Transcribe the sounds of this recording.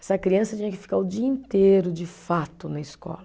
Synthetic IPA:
ɛsɐkɾiɐ̃sɐt͡ʃiɲɐkɪfi̥kaɾʊd͡ʒiɐĩnt̪eɾʊd͡ʒɪfat̪ʊnɐɪskɔ̰lɐ

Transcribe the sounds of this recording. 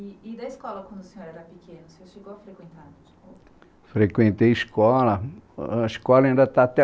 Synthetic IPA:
iid̪ɐiskɔlɐkwɐ̃nd̪ʊsẽɲoɾɛɾɐpikʰẽnʊseoɾʃeɡowɐfɾekwẽnt̪aɾ | d͡ʒi̥ko | fɾekwẽnt̪ejiskɔlɐiskɔlɐĩnd̪ɐt̪at̪ɛ

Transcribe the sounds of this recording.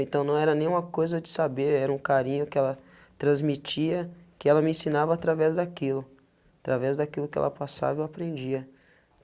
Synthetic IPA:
ẽnt̪ɐ̃w̃nɐ̃w̃ɛɾɐnẽj̃ũmɐkojzɐd͡ʒɪsabeɾɛɾɐũkaɾĩɲʊkɪɛlɐ | t̪ɾɐ̃zmit͡ʃiɐkɪɛlɐmɪẽsĩnavɐaːt̪ɾavɛzd̪akilʊ | at̪ɾavɛzd̪akilʊkɪɛ̰lɐ̰pasa̰vɐewapɾẽnd͡ʒiɐ

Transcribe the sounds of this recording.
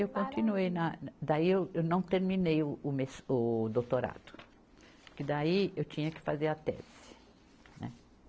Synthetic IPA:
ewkõnt̪inuejnɐd̪aiewewnɐ̃w̃t̪eɾmĩnejʊːmesʊd̪owt̪oɾa̰d̪ʊ̥ | pʊɾkɪd̪aiewt͡ʃĩɲɐkɪ̥fazeɾɐt̪ɛ̰zɪ̥ | nɛ̰

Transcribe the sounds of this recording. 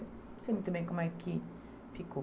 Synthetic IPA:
semit̪umekomaikʰi | fiko

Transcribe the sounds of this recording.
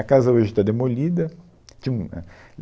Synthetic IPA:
ɐkazɐoʒɪt̪ad̪emolid̪ɐ | t̪ĩṵ̃

